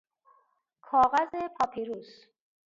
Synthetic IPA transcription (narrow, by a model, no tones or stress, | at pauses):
kʰɒːɣæzepʰɒːpʰiɾus